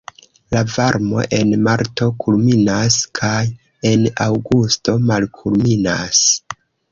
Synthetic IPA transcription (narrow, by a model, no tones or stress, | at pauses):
lavaɾmo̞̰ʔe̞nmaɾto̞kʰulminaskʰaj | e̞nawɡusto̞malkʰulminas